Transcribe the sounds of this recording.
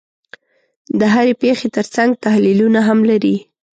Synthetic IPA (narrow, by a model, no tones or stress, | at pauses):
d̪əɦaɾepexet̪əɾt͡saŋɡ̚t̪ahlilunaɦamlaɾi